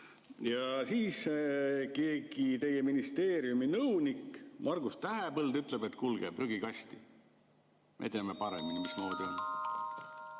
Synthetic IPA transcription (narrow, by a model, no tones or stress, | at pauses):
jɑsiːs | ke̞ːɡ̥it̪e̞jeminist̪e̞ːɾiuminɤwnikmʔɑrɡ̥ust̪æɦepɤld̪yt̪ːˑlebe̞t̪ːkulɡḛpryɡikɑst̪i | mʔḛt̪eɑme̞pɑɾeminimismo̞ːd̪̥io̞n